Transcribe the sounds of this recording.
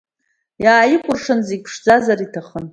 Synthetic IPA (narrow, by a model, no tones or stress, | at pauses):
jaːjɪkʷʼʊrʂɨnzepʰʂd͡zazaɾitʰaχən